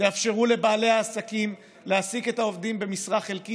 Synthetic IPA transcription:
eafʃe̞ʁule̞baːlehaːsakim | leasiketao̞vdimbe̞misʁaχe̞lki

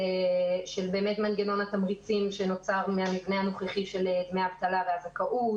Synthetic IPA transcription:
ʃe̞lbe̞ːmetmanɡeno̞nat̪amʁit͡simʃe̞no̞t͡saʁmeamivnehanoχeχiʃe̞led̪meavt̪alaveazakaʔu

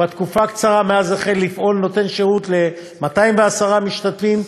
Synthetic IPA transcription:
bat̪kufakt͡saʁame̞azaχelːifʔo̞lno̞t̪e̞nʃeʁutle̞ | mataimveasaʁamiʃt̪at̪fim

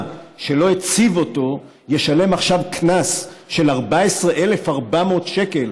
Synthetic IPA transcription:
ʃe̞lo̞et͡sivo̞to̞ | je̞ʃale̞maχʃavknasʃe̞laʁbaesʁeʔe̞lefaʁbamo̞ːtʃe̞ke̞l

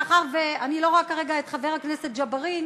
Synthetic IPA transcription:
aχaʁveanilo̞ʁoakaʁeɡaet̪χaveʁhakneset̪̚d͡ʒabaʁin

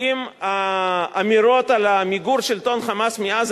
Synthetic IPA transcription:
imaː | miɾo̞t̪alamiɡuɾʃelt̪o̞nχamasmeaz

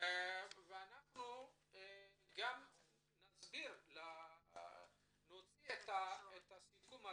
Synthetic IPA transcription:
veanaχnu | ɡam | nazbiɾla | not͡siet̪aet̪asikuma

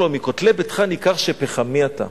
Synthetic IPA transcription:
lomikot̪lebet̪χanikaχʃepeχamiat̪a̰

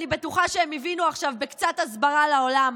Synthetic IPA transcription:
nibe̞tuχaʃeemivinuaχʃavbekt͡satazbaʁalao̞lam

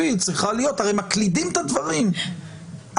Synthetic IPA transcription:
it͡sʁiχalijo̞t̪haʁejmaklid̪imt̪ad̪vaʁim | ʔ

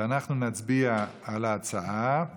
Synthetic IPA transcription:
anaχnunat͡sbia | alaːt͡saa

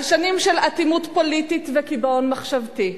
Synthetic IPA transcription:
ʃanimʃelat̪imutpolit̪it̪vekibonmaχʃavti

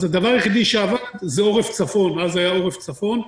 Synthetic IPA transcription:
zed̪avaʁjeχid̪iʃeavad̪zeo̞ʁeft͡safo̞nazajao̞ʁeft͡safo̞n

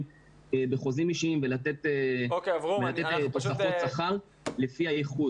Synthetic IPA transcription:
ebeχo̞zimiʃiimvelat̪et̪eokvvelat̪et̪t̪osafosaχaʁ | lefiajeχu

